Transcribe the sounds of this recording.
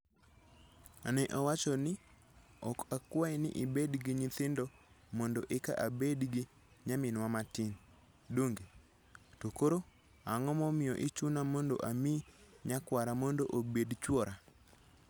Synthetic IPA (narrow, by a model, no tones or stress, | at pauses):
anɛʔɔwat͡ʃɔnɪ | ɔkakwaɪnɪ̰ʔɪbedɡiɲɪt̪ɪndɔ | mɔndɔʔeka̰ʔabedɡi | ɲamɪnwamatɪn | doŋɡe | tokoɾo | aŋɔmɔmɪjɔʔɪt͡ʃunamɔndo̰ʔamiɲakwaɾamɔndoʔobedt͡ʃwɔɾa